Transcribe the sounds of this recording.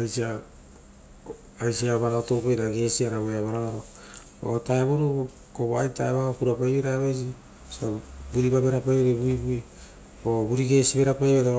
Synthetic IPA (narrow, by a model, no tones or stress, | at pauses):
ajsia | jsiaβaɾaotowpajɾaɡe̞siaɾaβoeaβaɾaɾao | o̰taeβoɾu | koβoajtaeβaokuɾapajβeɾaβajs̬i | sabuɾibabe̞ɾapajeɾebuibui | obuɾiɡe̞siβeɾapajβeɾo